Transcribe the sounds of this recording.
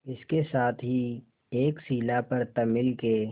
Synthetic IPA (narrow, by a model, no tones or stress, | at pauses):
ɪskesaːt̪ʰɦi | eːksiːlapɐɾt̪ɐmɪlkeː